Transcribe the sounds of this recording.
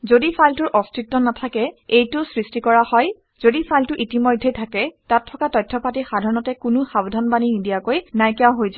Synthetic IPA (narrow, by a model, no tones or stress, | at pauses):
zodifʰajltʊɹʔɔstɹitːɔnatʰakɛejtʊsɹistikɔɹahɔj | z̥odifʰajltʊʔitimɔjdʱːetʰakɛtatʰːɔkatɔjtʰːɔpatixadʱaɹɔnɔtɛkʊnʊxabdʱanbaninidijakojnajkjawɦojza